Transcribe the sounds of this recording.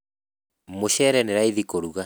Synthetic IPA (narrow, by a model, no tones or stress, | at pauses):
moɕɛɾɛneɾaiðikoɾuɣa